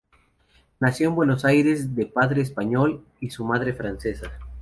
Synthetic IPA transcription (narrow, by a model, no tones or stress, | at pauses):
nasjo̞mbwe̞no̞sajɾe̞zðe̞paðɾeːspaɲol | isumaðɾe̞fɾanse̞sa